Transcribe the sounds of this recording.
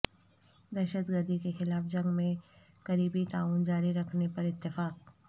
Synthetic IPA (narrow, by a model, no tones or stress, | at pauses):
d̪ɛːʃəd̪ɡəɾd̪ʱikexɪlaːfd͡ʒɐ̃ŋɡmẽɡɐɾiːbit̪aːuːnd͡ʒaːɾiɾɐkʰnepɐɾɪt̪ːɪfaːk̚